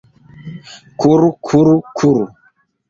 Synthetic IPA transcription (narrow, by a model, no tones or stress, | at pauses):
kuɾukʰuɾukʰuɾṵ